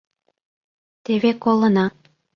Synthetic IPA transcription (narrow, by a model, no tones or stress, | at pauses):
t̪eβekolˠə̆nɑ